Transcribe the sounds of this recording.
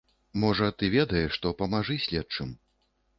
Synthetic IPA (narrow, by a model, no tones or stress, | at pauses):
mɔʐɐt̪ɨvʲɛd̪ɐjɛʂːt̪ɔpɐmaʐɨsʲlʲɛt̪t͡ʂɨm